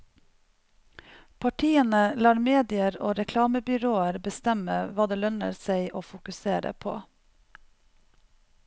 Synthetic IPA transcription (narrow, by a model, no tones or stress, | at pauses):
pʰɑʈʰiːənəlɑːɾmeːd̪ɪəɾo̰ːɾɛkʰlɑːməbʏɾoːəɾbəst̪ɛməʋɑːd̪eːlœnə̰ɾsæɪʔoːfʊkʉseːɾə̰pʰo̰ː